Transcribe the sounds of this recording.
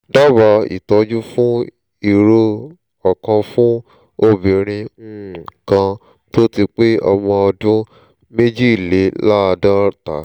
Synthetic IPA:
da˦ba˨˦ḭ˨tɔ˧˦d͡ʒu˦fũ˦ | i˨ɾo˧ | ɔ˨kã˧fũ˦ | o˧bĩ˨ɾ̃ĩ˧n̩˦˨kã˧ | to˦ti˧k͡pe˦ɔ̰˧mɔ̃˧ɔ˧dũ˦ | me˦d͡ʒi˦i˨le˨˦la˦˧dã˦ta̰˨

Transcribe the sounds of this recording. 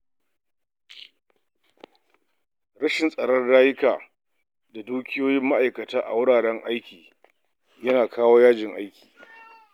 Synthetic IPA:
ɾɐ˦ʃɪ˨nsʼɐ˨ɽɔ˦nɽaː˦jɪ˦kaː˨ | da˨duː˦kʲɪ˦joː˦jɪ˦mːa˦ʔa˨jkɐ˨taː˦ʔa̰˨wʊ˦ɽaː˨ɽɛ˦ŋʔa˦jkʲiː˨ | jɐ˦naː˨kʰaː˦woː˦jaː˦d͡ʒɪ˨ŋʔa̰˦jkʲi̥ː˨

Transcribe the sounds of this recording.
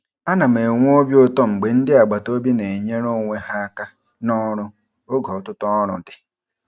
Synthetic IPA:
a˦na˨m̩˨e˨ŋʷ˦o˦bjo˦tɔ˦ŋ͡m̩˨ɡ͡be˨n̩˦dɪ˦a˨ɡ͡ba˨to˦bi˦ne˨ɲe˦ɾo˦ŋʷe˦ha˦a˦ka˦ | nɔ˦ɾʊ˦ | o˦ɡɔ˨ɔ˨tʊ˦tɔ˦ɾʊ˨dɪ˨

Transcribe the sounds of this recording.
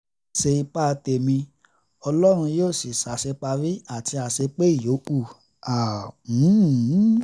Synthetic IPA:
ʃe˧i˧k͡pa˦˧te˧mĩ˧ | ɔ˧lɔ˦ɾ̃ũ˧joː˦˨si˨sa˨ʃe˧k͡pa˧ɾi˦a˦˨ti˧a˨ʃe˧k͡pe˦i˦˨jo˨˦ʔu˦˨ | a˨ũ˨˦˨

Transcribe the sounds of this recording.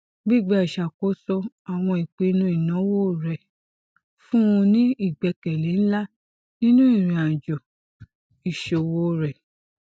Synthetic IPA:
ɡ͡bi˦˨ɡ͡ba˧˦i˨ʃa˨ko˨˦sɔ˧ | a˨w̃ɔ̃˧i˨k͡pe˧˦˧nũ˧˦i˦˨nã˨˦wo˦˨ɾɛ˨ | fũ˦ũ˧nĩ˦i˦˨ɡ͡bɛ˧kɛ˨le˨˦n̩˦la˦ | nĩ˦nũ˦i˦˨ɾĩ˨ã˨d͡ʒɔ˨ | i˨ʃo˨wo˦ɾɛ˨

